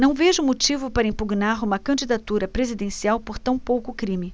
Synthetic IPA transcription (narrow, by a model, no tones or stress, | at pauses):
nɐ̃w̃veʒʊmot͡ʃivʊpaɾɐĩpuɡnaɾũmɐkɐ̃d͡ʒid̪at̪uɾɐpɾezid̪ẽsiawpoɾt̪ɐ̃w̃powkʊkɾĩmɪ